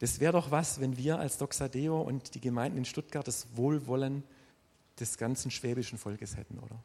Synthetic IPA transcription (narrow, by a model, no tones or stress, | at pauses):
d̥asv̥ɛːʁdɔχvasvɛnviːɐa̰lsd̥ɔksadeːoʔʊ̰ntd̥iːɡəmaɪndn̩ɪnʃtʊt̚ɡ̥aɐt̚d̥asvoːlvɔlən | d̥ɛsɡ̥ant͡sn̩ʃv̥ɛːbɪʃn̩fɔlkəshɛ̰tn̩ʔo̰ːdɐ